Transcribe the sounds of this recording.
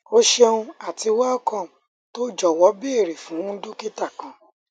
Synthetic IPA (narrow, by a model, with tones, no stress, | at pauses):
o˦ʃe˧ũ˧a˨ti˧wa˦ɔ˦˨kã˦˨ | to˦d͡ʒɔ˨wɔ˨˦be˦e˦˨ɾe˨fũ˨˦do˦ki˦ta˦˨kã˨˦